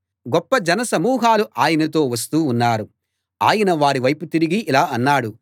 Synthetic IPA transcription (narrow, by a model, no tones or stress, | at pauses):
ɡɔpːɐd͡ʒɐnɐsɐmuːɦaːluʔaːjɐnɐt̪o̞ːʋɐs̬t̪uːnːaːɾu | aːjɐnɐʋaːɽiʋɐjput̪iɾiɡiʔːlaːɐnːaːɽu